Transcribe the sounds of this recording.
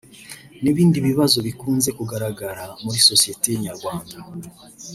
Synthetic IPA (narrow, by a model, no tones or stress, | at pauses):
niβiːndiβiβazo̞βikuːnze̞kuɡaɾaɡaɾamuɾiso̞sije̞tejeɲaɾɡwaːŋɡa